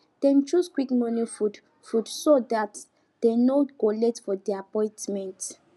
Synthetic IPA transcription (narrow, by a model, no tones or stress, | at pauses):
d̥ɛ̃nt͡ʃuskwikmɔnifud | fudsodat | d̥ɛ̃nokolɛtfɔdɛapɔ̃j̃ntmɛ̃nt